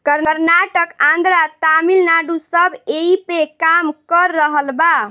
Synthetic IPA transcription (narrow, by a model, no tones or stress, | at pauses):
kəɾɾnaʈəkãnd̪ɾat̪amilnaɖusəbeipekamkəɾːəɦəlba